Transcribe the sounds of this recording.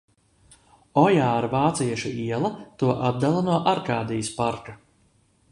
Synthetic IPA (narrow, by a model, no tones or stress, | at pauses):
ɔjaːɾvaːt̪siɛʃuiɛlˠɐt̪uɔʔat̪̚d̪alˠanuɔʔaɾkaːd̪ijspaɾka